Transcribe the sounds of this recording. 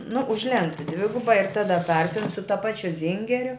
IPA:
nʊ ʊʒʲˈlʲɛŋktʲɪ ˈdʲʋʲɪɡʊbɐ ɪr ˈtɑːdɐ ˈpɐrʲsʲʊn sʊ tɐ ˈpɑːt͡ʃʲʊ ˈzʲiːŋʲɡʲɛrʲʊ

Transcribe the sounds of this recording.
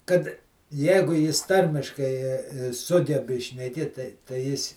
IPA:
kɐt ˈjɛɪɡʊ ˈjɪs ˈtɐrʲmʲɪʃkɐɪ ˈsʊɡʲɛbʲɪ ʃʲnʲɛˈkʲeːt tɐɪ tɐɪ ˈjɪs

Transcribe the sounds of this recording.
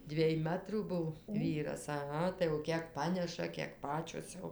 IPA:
ˈdʲʋʲiɛj ˈmɑːtruː ˈbʊw ˈʋʲiːrɐs ɐˈɣɐ tɐɪ jɛʊ ˈkʲiɛk ˈpɑːnʲɛʃɐ kʲiɛk ˈpɑːt͡ʃʲoːs jɛʊ

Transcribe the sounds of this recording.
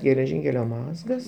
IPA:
ɡʲɛlʲɛˈʒʲɪŋʲkʲɛlʲoː ˈmɑːzɡɐs

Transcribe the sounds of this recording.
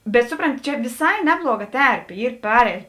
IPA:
bʲɛt ˈsʊproːnʲˌtʲɪ ˈt͡ʃʲɛ ʋʲɪˈsɐɪ ˈnʲæːblˠuɔˌɡɐ ˈtʲɛrʲpʲeː ˈiːr ˈpɑːrʲɛɪt

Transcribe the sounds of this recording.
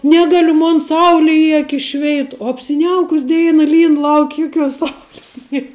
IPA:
ˈnʲæːɡɐlʲʊ ˈmoːn ˈsɐʊlʲɪ ɪ ˈɑːkʲɪs ˈʃʲʋʲɛɪt oː ɐpʲsʲɪˈnʲɛʊkʊs ˈdʲɛɪnɐ ˈlʲiːn ˈlˠɐʊkʲ ˈjʊkʲuɔs ˈsɐʊlʲɪs ˈnʲiɛ

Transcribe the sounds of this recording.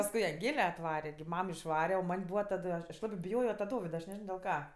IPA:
pɐsˈkʊɪ ɐŋˈɡlʲɛ ɐtˈʋɑːrʲɛ ɡʲɪ ˈmɐm ɪʃˈʋɑːrʲɛ oː ˈmɐnʲ ˈbuːʋɐ ˈtɑːdʊ ɐʃ ɐʃ ˈlˠɑːbɜ bʲɪˈjoːjoː tɐ ˈdoːʋʲɪdɐ ɐʃ nʲɛˈʒʲɪnoː dʲɛlˠ ˈkɐ

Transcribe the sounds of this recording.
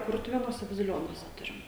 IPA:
ˈkʊrtʊʋʲeːnuɔsʲɛ bɐzʲɪˈlʲoːnuɔsʲɛ ˈtʊrʲɪm

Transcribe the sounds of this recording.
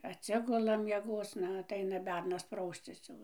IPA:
ɐtʲˈsʲɪɡʊlˠɐ mʲiɛˈɡoːt͡s ˈnɐ ɐtˈɐɪnɐ ˈbʲɛrnɐs ˈprɐʊsʲt͡sʲɪs jɛʊ

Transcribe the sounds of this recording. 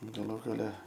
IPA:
ɡɐˈlˠuː ɡɐˈlʲɛ

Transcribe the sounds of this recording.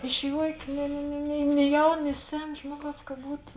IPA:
ɪʃ ˈjuɔkʲeː nʲɪ nʲɪ nʲɪ nʲɪ ˈnʲɪ ˈjɛʊn nʲɪ ˈsʲɛn ˈʒmuɔˌɡɐʊs kɐ ˈbuːtoː

